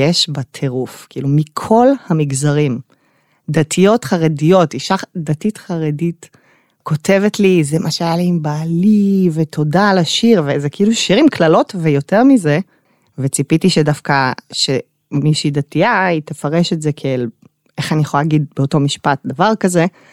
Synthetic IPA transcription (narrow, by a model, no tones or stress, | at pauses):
jeʃbatʰeʁufkiilumikʰo̞lhamiɡzaʁim | datʰijo̞tχaʁedijotiʃadatitχaʁedit | ko̞te̞vetlizemaʃajaliimbaːlivetʰo̞dalaʃiʁvezekeiluʃiʁimkʰlalo̞tvejo̞te̞ʁmize̞ | vet͡sipitiʃedafkaʃe | miʃidatiaitefaʁe̞ʃetzekʰeel | ʔeχanijeχolalaɡid̚beo̞to̞miʃpat̚d̪avaʁkaze̞